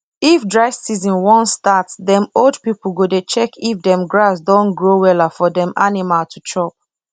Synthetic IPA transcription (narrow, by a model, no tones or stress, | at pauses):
ifdɹaɪfsizɔ̃nwɔ̃nstatdɛ̃moldpipl̩ɡodet͡ʃɛkʰifdɛ̃mɡɹasdɔ̃nɡɹowɛlafɔdɛ̃mʔanimaltʰut͡ʃʰɹɔp̚